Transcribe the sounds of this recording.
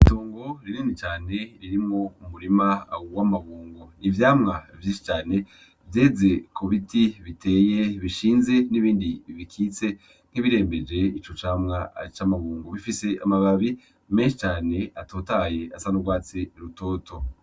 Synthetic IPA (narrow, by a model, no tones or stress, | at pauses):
itoːŋɡo̞ɾininit͡ʃaːne̞ɾiɾimŋo̞umuɾimawamaβuːŋɡonivjaːmŋavjiʃi̥t͡ʃaːne̞ | vje̞ːze̞koβitiβite̞ːje̞βiʃiːnze̞niβiːndiβikʰiːt͡se̞ | n̥hiβiɾe̞ːmbe̞d͡ʒe̞it͡ʃo̞t͡ʃaːmŋat͡ʃamaβuːŋɡoβifise̞ʔamaβaβi | me̞nʃi̥t͡ʃaːne̞atoːtaje̞asanoɡwaːt͡seɾuto̞ːtʰo̞